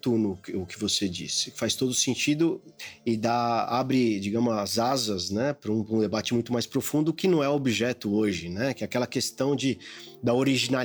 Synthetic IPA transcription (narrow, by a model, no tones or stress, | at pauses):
t̪unʊkːkɪvosed͡ʒḭsɪ̥fajst̪od̪ʊsẽnt͡ʃid̪ʊɪd̪aabɾɪd͡ʒiɡɐ̃mʊzɐzazɐznɛpɾũɾũd̪ebat͡ʃɪmũj̃t̪ʊmajspɾofũnd̪ʊkɪnɐ̃w̃ɛobiʒɛt̪ʊoʒɪnɛkɪɛakɛlɐkest̪ɐ̃w̃d͡ʒɪd̪ɐoɾiʒina